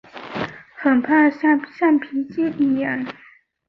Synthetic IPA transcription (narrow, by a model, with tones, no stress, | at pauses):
xə˩˨npʰa˥˨˥ɕɑ˥˨ŋpʰi˩˥t͡ɕi˥˨ni˥˨jɑ˥˨ŋ